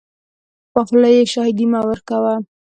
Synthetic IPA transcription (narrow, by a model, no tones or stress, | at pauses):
paxlajeʃɑhɪd̪imawəɾkawa